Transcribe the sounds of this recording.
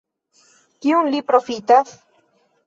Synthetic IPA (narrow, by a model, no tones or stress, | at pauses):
kiunlipɾofit̪as